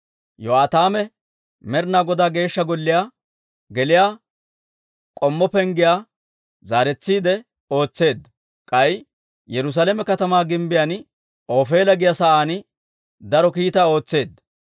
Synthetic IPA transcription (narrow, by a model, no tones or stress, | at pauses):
jɔaːt̪aːmɛ | mɛɾnaːɡɔd̪aːɡe̞ːʃːɐɡɔlːɪjaː | ɡɛlɪjaː | kʼɔmːɔpɛŋɡɪjaː | zaːɾɛt͡sːiːd̪ɛ | o̞ːt͡sːe̞ːd̪ɐ | kʼɐj | jɛɾʊs̬aːlɛmɛkɐt̪ɐmaːɡɪmbɪjan | oːfe̞ːlɐɡɪjasɐʔaːn | d̪ɐɾɔkiːt̪aːo̞ːt͡sːe̞ːd̪ːɐ